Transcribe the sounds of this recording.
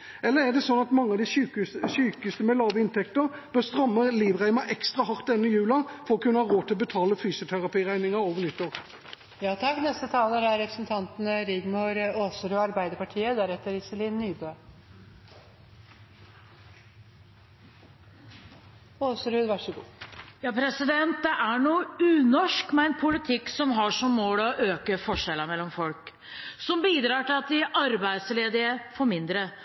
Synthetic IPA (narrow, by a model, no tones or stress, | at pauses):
ɛlːəʁæʁd̪ɛsɔnːɑt̪mɑŋːəɑʋd̪iːsʉːkəsʉːkəst̪əmɛlɑːʋəɪnt̪ʰɛkt̪əʁb̥œʁst̪ʁœmːəʁliːʋʁæɪmɑʔɛkst̪ʁɑɦɑʁt̪̚d̪ɛnːəjʉːlɑfɔʁɔkʰʉnːəhɑːʁoːt̪ʰɪlɔbət̪ʰɑːləfyːsʊt̪ʰæʁɑpiːʁæɪnɪŋɑʁoːʋəʁnʏt̪ːɔʁ | jɑːt̪ʰɑkːnɛst̪ət̪ʰɑːləɾæɾɾɛpɾəsnt̪ʰɑnt̪nəɾɪɡ̪mʊɾoːsɾʉːɑɾbæɪd̪əɾpɑʈʰiːəd̪æɾɛt̪ːəɾɪsəliːnːyːbøː | oːsɾʉːd̪ʋɑʂəɡṵːjɑːpʰɾɛsɪd̪ɛnt̪̚d̪ɛʔæɳuːʉːnɔʂkmɛɛnpʰʊlɪt̪ʰɪkːsɔmɦɑʂɔmːoːlɔʔøːkəfɔʂɛlːəmɛlːɔmfɔlk | sɔmbiːd̪ɾɑːʈɪlɑt̪̚d̪ɪʔɑɾbæɪd̪sleːd̪ɪəfɔɾmɪnd̪ɾə